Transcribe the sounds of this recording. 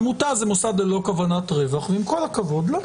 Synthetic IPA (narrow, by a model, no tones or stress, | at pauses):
mutazemosad̪lelo̞kavanat̪ʁevaχveimko̞lakavo̞d̪lo